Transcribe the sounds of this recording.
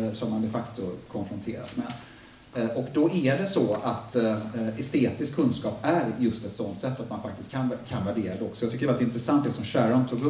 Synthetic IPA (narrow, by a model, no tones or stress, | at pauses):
sɔmːand̪ɛfakt̪ʊkʰɔnfɾɔnt̪ʰḛːɾa̰smɛ̰d̪ | ʔɔkd̪ɔʔæɖɛsɔat̪ɛst̪eːt̪ɪskʰːɵnskɑːpæɾjɵst̪ɛt̪sɔnt̪sɛt̪ːat̪manfak̚t̪ɪst̪kʰankʰanvæɖeːɾad̪ɛɔksɔjaɡt̪ʏkːɾɛvaɾɪnt̪ɾɛsant̪̚d̪ɛsɔmɕæːɾant̪ʰuːɡɵ